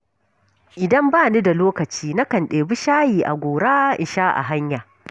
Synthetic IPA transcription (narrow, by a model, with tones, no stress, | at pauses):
ʔɪ˨dɐ˦mbaː˦˨ni˦da˨loː˦kɐ˨t͡ʃiː˦na˦kɐ˨nɗeː˨bi˦ʃaː˦jiː˨ʔa̰˨ɡʷoː˨ɽaː˦ʔɪ˨ʃaː˦ʔa̰˨ɦa˦ɲjaː˨